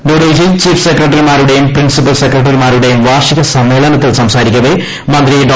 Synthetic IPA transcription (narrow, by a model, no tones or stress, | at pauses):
ɖoːɾeːd͡ʑit͡ɕiːfsekɾɐʈ̬ːɐɾimaːɾuɽejumpɾinsipːɐlsekɾɐʈ̬ːɐɾimaːɾuɽejumʋaːrʂiɣɐsɐmːe̞ːɭɐnɐt̪ːilsɐmsaːɾikʲːɐðe | mɐnd̪ɾiɖ